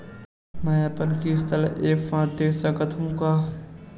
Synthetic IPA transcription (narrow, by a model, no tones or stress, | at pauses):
mãəpənkʰiɪst̪əlʔeːkfãːt̪eːsãkət̪ʰũːkaː